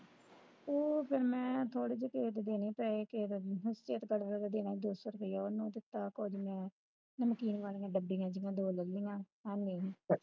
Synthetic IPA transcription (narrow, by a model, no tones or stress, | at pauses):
oːpʰɪɾmɛ̃ːt̪ʰoːɽeːd͡ʒekeːt̪d̪eːneːpɛːeːkeɦʊst͡ʃeːt̪ɡəɽɾaːd̪aːd̪eːnaːid̪oːsʋəɾk̪eːaːonũːd̪ɪt̪ːaːkod͡ʒmɛ̃ː | nəmkiːnʋaːlĩːãːɖəbːĩŋãːd͡ʒɪŋɡãːd̪oːləlĩːãː | ɛːneː